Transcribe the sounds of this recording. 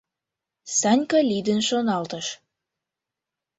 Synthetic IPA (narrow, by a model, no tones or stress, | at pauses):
sɑnʲkɑlʲid̪ənʃonɑlt̪ə̆ʃ